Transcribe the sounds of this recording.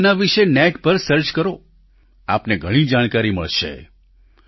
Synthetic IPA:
naʋiʃenɛʈpəɾsəɾt͡ʃkəɾo | a̰pneɡʱəɽ̃id͡ʒaɽ̃kaɾiməɭʃḛ

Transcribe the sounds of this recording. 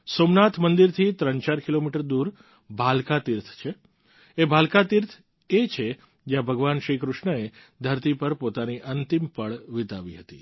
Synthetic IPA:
somnat̪ʰmənd̪iɾt̪ʰit̪ɾənt͡ʃaɾkilomiʈəɾd̪uɾ | bʱalkat̪iɾt̪ʰt͡ʃʰe | ebʱalkat̪iɾt̪ʰ | et͡ʃʰe | d͡ʒjãbʱəɡʋanʃɾikɾʊʃɳəe | d̪ʱəɾt̪ipəɾpot̪aniʔənt̪impəɭʋɪt̪aʋiɦət̪ḭ

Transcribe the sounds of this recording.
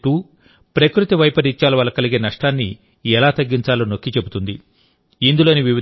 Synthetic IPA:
ʈuː | pɾɐkɾut̪iʋɐjpɐɾiɲt͡ʃːaːlɐʋɐːlːɐkɐliɡeːnɐʂʈaːnːi | ɛlaːt̪ɐɡːiɲt͡ʃaːlɐnokːit͡ʃe̞but̪und̪i | ind̪ulo̞ːniʋiʋi

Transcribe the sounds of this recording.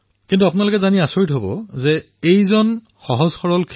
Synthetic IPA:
kintuapʊnalokɛzaniasoɹitɦobɔ̰zɛ | ejzɔn | xɔɦɔzxɔɹɔlkʰ

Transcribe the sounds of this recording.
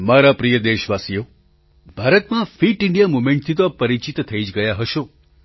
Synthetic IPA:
maɾapɾijəd̪eʃʋasijo | bʱaɾət̪mãfiʈɪ̃ɳɖijamumẽɳʈ̚t̪ʰit̪oapəɾit͡ʃit̪t̪ʰːəid͡ʒɡəjaɦəʃõ

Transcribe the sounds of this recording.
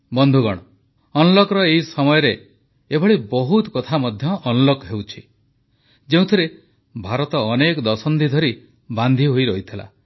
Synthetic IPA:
bɔnd̪ʱuɡɔɽ̃ɔ | ɔnɔlokɔɾɔeɦisɔmɔjɔɾe | ebʱɔɭibɔɦut̪kɔt̪ʰamɔd̪ʱjɔʔːnɔlokɦewt͡ʃʰi | d͡ʒeũt̪ʰɔɾe | bʱaɾɔt̪ɔːnekɔd̪ɔsɔnd̪id̪ʱɔɾi | band̪ʱiɦojɾɔit̪ʰila̰

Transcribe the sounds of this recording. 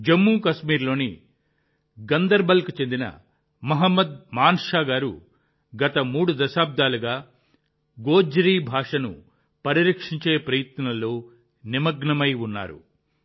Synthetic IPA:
d͡ʒɐmːuːkɐʃmiːɾlo̞ːni | ɡɐnd̪ɐɾbɐlkut͡ʃe̞nd̪inɐ̰ | mɐɦɐmːɐd̪̚maːnʂaːɡaːɾṵ | ɡɐt̪ɐmuːɽud̪ɐʃaːb̚d̪aːluɡaː | ɡo̞ːd͡ʒɾiːbʱaːʂɐnṵ | pɐɾiɾɐkʂiɲt͡ʃe̞ːpɾɐjɐt̪ɐnɐlːo̞ː | nimɐɡɳɐmɐjunːa̰ːɾṵ

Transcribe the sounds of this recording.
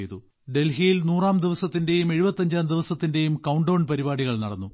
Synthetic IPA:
jt̪u | ɖe̞lɦijilnuːraːmd̪iʋɐsɐt̪ːinde̞jume̞ɻubɐt̪ːɐɲd͡ʑaːmd̪iʋɐsɐt̪ːinde̞jumkɐwuɳɖoːɳpɐɾibaːɽiɣɐɭnɐɽɐnːu

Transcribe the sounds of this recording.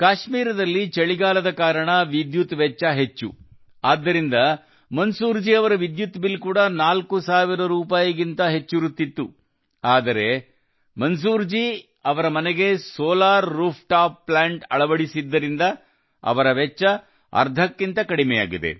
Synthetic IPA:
kaːʃmiːɾɐd̪ɐlːit͡ʃeɭiɡaːlɐd̪ɐkaːɾɐɳɐʋid̪jut̪ʋɛt͡ʃːɐɦet͡ʃːṵ | aːd̪ːɐɾind̪ɐ | mɐnsuːɾd͡ʒiɐʋɐɾɐʋid̪jut̪bilkuːɽɐnaːlkusaːʋiɾɐɾuːpaːjɐɡint̪ɐɦet͡ʃːuɾut̪ːit̪ːu | aːd̪ɐɾe̞ | mɐns̬uːɾd͡ʒi | ɐʋɐɾɐmɐneɡe̞sɔːlaːɾːuːpʰʈaːpːlaːɳʈɐ̰ɭɐʋɐɽisid̪ːɐɾind̪ɐ | ɐ̰ʋɐɾɐʋɛt͡ʃːɐ | ɐ̰ɾd̪ʱɐkːint̪ɐkɐɽimɛja̰ːɡid̪e̞̰

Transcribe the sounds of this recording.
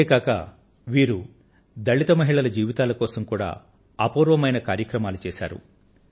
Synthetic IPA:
kaːkɐ̰ | ʋiːɾu | d̪ɐɭːit̪ɐmɐɦiɭɐlɐd͡ʒiːʋit̪aːlɐkɔːsɐmkuːɽa̰ː | ɐpuːɾʋɐmɐjnɐkaːɾjɐkɾɐmaːlut͡ʃɛːsa̰ːɾṵ

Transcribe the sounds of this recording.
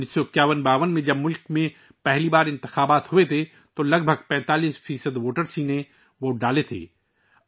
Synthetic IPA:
isːokjaːʋənbaːʋənmẽd͡ʒɐbmʊlkmẽ | pɛɦlibaːɾɪ̃nt̪ɪxaːbaːt̪ɦʊet̪ʰe | t̪olɐɡ̚bʱəɡ̚pɛ̃ːt̪aːliːsfʰiːsəd̪ʋoːʈəɾsiːnẽ | ʋoːɖaːlet̪ʰḛː

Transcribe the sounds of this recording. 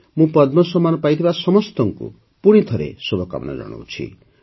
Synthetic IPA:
mũpɔd̪mɔsɔmːanɔpajt̪ʰibasɔmɔst̪ɔŋkṵ | puɽ̃it̪ʰɔɾḛsobʱɔka̰mɔna̰d͡ʒɔ̰ɽ̃o̰wt͡ʃʰḭ

